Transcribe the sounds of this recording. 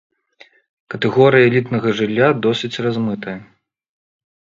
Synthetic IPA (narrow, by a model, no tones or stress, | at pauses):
kɐt̪ɛɣɔɾɨjɐɛlʲit̪nɐɣɐʐɨlʲːad̪ɔsʲit͡sʲrazmɨt̪ɐjɐ